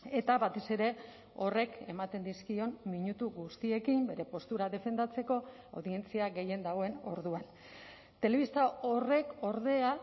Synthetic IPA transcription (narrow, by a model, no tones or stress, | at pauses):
e̞t̪aβat̪e̞se̞ɾe̞ | o̞re̞ke̞mat̪e̞nd̪iskio̞nmiɲut̪uɣust̪ie̞kimbe̞ɾe̞po̞st̪uɾaðe̞fe̞nd̪at͡se̞ko̞ | awðie̞nt͡siaɣe̞je̞nd̪aɣwoe̞no̞ɾðuan | t̪e̞le̞βist̪ao̞re̞ko̞ɾðe̞a